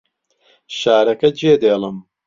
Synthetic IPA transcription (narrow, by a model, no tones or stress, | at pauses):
ʃaːɾɐkɐd͡ʒeːd̪eːlɨm